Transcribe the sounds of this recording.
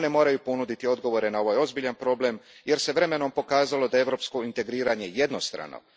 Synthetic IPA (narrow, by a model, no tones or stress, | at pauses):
ne̞mo̞ːɾajupo̞nud̪it̪io̞d̪ɡo̞ʋo̞ɾe̞nao̞ʋajo̞zbiʎanpɾo̞ble̞mje̞ɾse̞ʋɾe̞me̞no̞mpo̞kaːzalo̞d̪ae̞vɾo̞psko̞int̪e̞ɡɾiːɾaɲe̞je̞d̪no̞st̪ɾa̰no̰